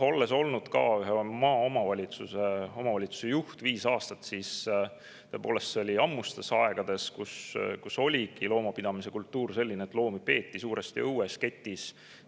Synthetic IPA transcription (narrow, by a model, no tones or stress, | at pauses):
o̞lːe̞so̞lnud̪̥kɑ̰yɦemɑːo̞mɑvɑlʲit̪suseo̞mɑvɑlʲit̪su̥sejuht̪viːsɑːst̪ɑt̪sis | t̪ɤ̞epo̞ːle̞st̪seolʲiɑmːust̪e̞sɑe̞ɡ̥ɑd̪̥e̞skuskuso̞lʲiɡ̥ilo̞ːmɑpid̪̥ɑmise̞kult̪ːuːrse̞lʲːineːt̪ːˑlo̞ːmipe̞ːt̪ːisuːɾest̪iɤwesket̪ʲːˑis